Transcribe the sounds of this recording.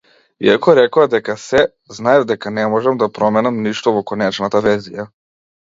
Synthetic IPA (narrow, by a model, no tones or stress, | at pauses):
ḭakɔɾɛkɔad̪ɛkasɛ | znaɛvd̪ɛkanɛmɔʒɛmd̪apɾɔmɛnamniʃt̪ɔvɔkɔnɛt͡ʃnat̪avɛɾzija